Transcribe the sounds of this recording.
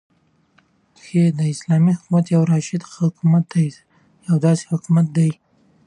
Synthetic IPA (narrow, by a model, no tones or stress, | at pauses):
xed̪əɪslɑmihʊkumat̪jawɾɑʃɪd̪hʊkumat̪̚d̪aj | jawd̪ɑse̥hʊkumat̪̚d̪aj